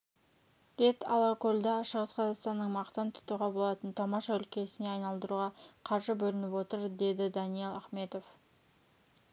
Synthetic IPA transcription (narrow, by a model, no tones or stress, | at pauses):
ɾet̪ʰɑ̰lˠɑkolʲd̪ɑʃəʁəsqʰɑzɑqst̪ɑnːəɴmɑqt̪ənt̪ʰʊ̥t̪uʁɑbo̞lˠɑt̪ənt̪ʰɑmɑʃɑʏlkʲe̞sɪne̞ɑjnɑlˠd̪əɾuʁɑqʰɑɾʒəbɵlɪnɪpwo̞t̪əɾd̪e̞d̪ɪd̪ɑnijelˠɑχme̞t̪o̞f